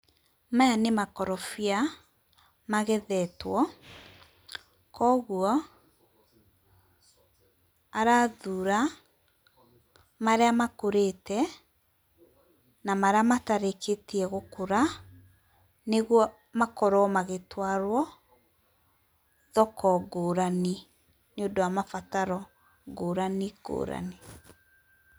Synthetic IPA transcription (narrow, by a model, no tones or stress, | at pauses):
majanemakɔɾɔfia | maɣeðɛtwɔ | kɔɣuɔ | aɾaðuɾa | maɾeamakoɾetɛ | namaɾeamataɾeketiɛɣokoɾa | neɣwɔ | makɔɾɔmaɣetwaɾwɔ | ðɔkɔɡoːɾani | nondɔwamafataɾɔ | ɡoːɾaniɡo̰ːɾa̰ni